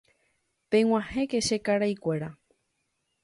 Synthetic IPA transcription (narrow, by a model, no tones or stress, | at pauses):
peŋw̃ãhẽ̞keʃekaɾajkʷe̞ɾa